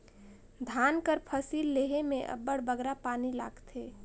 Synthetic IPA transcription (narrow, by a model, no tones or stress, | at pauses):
d̪ʱaːnkəɾpʰəsiːlːeɦemẽʔə̰bːəɽbəɡɾapaːnila̰ːɡt̪ʰeː